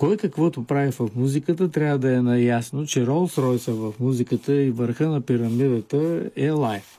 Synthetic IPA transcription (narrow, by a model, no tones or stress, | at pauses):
kɔjkɐkvɔt̪ʊpɾavifɐfmuzikət̪ət̪ɾʲavəd̪ɐɛnɐjasnot͡ʃɛɾɔlˠsɾɔjsəvɐfmuzikət̪əivəɾxənɐpiɾɐmid̪ət̪əɛlˠajf